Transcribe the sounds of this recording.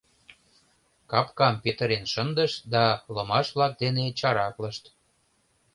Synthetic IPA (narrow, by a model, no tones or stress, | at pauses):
kɑpkɑmpet̪əɾenʃənd̪əʃd̪ɑlə̆mɑʃβlɑk̚d̪enet͡ɕɑɾɑkləʃt̪